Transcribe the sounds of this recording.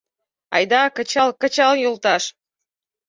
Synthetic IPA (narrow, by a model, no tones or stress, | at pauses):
ɑ̰jd̪ɑkə̆t͡ɕɑlkə̆t͡ɕɑljolˠt̪ɑʃ